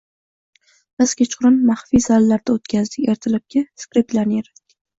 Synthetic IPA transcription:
b̥ɪz̥kʲʰet͡ʃqʊɾɪnmaχfizalːaɾd̪aot̪kʲʰazd̪ɪkʲeɾt̪ʰɪlɪb̚kʲɪskɾip̚t̪laɾnɪjeɾad̪ɪkʲ

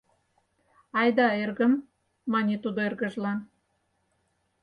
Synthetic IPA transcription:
ɑjd̪ɑerɣə̆mː | ɑnʲit̪ud̪oerɣə̆ʒlɑn

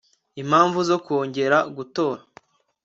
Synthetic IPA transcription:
im̥haːɱvuzo̞koːɲɟe̞ɾaɡuto̞ːɾa

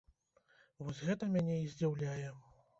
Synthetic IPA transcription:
vɔsʲɣɛt̪ɐmʲanʲɛizʲd͡zʲawlʲajɛ

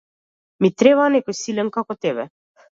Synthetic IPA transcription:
mit̪ɾɛβanɛkɔjsilʲɛnkakɔt̪ɛbɛ

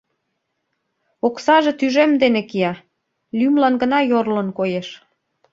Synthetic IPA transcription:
oksɑʒĕt̪yʒemd̪enekiɑ | lymlɑnɡə̆nɑjorlə̆nkojeʃ

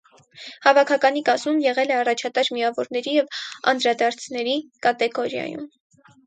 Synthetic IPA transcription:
hɑvɑkʰɑkɑn̪ikɑzmumjɛʁɛlɛɑrɑt͡ʃʰɑt̪ɑɾmiɑvɔɾnɛɾijɛvɑ̰nd̪ɾɑd̪ɑɾt͡sʰnɛɾikɑt̪ɛkɔɾjɑ̰jṵm

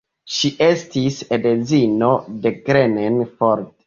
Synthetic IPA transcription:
ʃiʔe̞stisedezinode̞kɾenenfoɾte̥

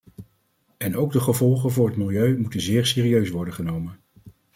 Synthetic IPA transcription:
ɛnowɡdəχəvɔlˠχənvʊːɹɦətmɪlˠjøɥmutənzɪːɹsɪːriøɥsʋɔɹdəχənowmən

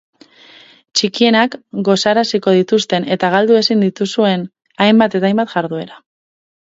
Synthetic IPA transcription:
t͡ʃikie̞nakɡo̞saɾasiko̞ð̞it̪ust̪e̞ne̞t̪aɣ̞ald̪ue̞sind̪it̪usue̞n | ajmbat̪e̞t̪ajmbat̪ʝaɾðue̞ɾa

